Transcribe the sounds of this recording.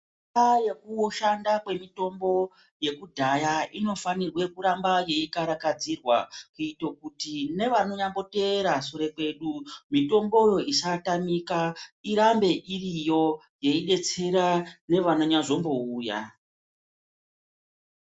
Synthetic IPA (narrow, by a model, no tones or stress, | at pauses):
aje̞kuʃandakwe̞mito̞mbo̞ | je̞kudʱajaino̞fanirwe̞kuɾambaje̞ikaɾakad͡zirwa̰kuitokutine̞ʋano̞ɲambo̞teɾasoɾe̞kwe̞ɗumito̞mbo̞jo̞isatamikaiɾambe̞ʔirijo̞ | je̞iɗe̞t͡seɾane̞ʋano̞ɲaʐo̞mbo̞uːja̰